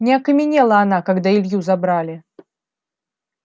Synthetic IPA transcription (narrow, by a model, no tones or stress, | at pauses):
nʲɛɐkɐmʲɪnʲɛlˠɐːnakaɡd̪ailʲjuzabɾalʲɪ